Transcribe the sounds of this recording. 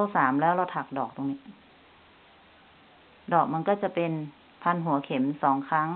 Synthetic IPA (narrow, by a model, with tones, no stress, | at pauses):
saː˩˦mlɛː˦˥˩wla˧˩t̪ʰa˨˩k̚dɔː˨˩k̚t̪o˨˧˨ŋniː˧˩ | dɔː˨˩k̚ma˧˥˨kɔː˧˩t͡ɕa˧˩pe˧n | pʰa˧˨nɦu˨˩˦ɐkʰe˨˩˦msɔː˩˦ŋkʰa˧˥˩ŋ